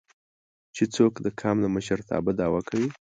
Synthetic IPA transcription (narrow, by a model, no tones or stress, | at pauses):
t͡ʃet͡sokd̪əkʰɑmlaməʃəɾt̪ʰɑ̰bəd̪ɑwakʰawi